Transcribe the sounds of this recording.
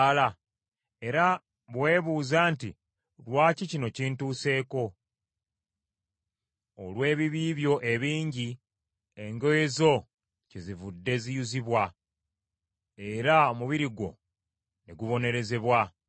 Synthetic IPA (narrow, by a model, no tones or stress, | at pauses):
la | e̞ɾa | βwe̞ːβuːzaːnti | lwaːcicino̞ciːntuːse̞ːko̞ | olwe̞ːβiβiːβjo̞ʔe̞βiːɲɟi | e̞ŋɡojezo̞ | cezivudːe̞zijuziβwa | e̞ɾaomuβiɾiɡo̞̰ | neɡuβo̞ne̞ɾe̞ze̞βwa